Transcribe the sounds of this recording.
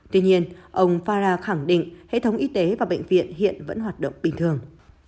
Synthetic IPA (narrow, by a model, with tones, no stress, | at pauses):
t̪wi˧ɲi˧ənʔə˧wŋ͡mfaː˧zaː˧xa˧˩ŋɗḭ̈˧˨ŋ̟hḛ˧˨t̪ʰə˨˦wŋ͡mʔi˨˦t̪e˨˦vaː˨˩ɓə̰˧˨jŋ̟vḭ˧˨ənɦḭ˧˨ənvə̰˧˥nɦwaː˨˩t̚ɗə̰˧˨wŋ͡mɓï˨˩ŋ̟t̪ʰɨ˨˩əŋ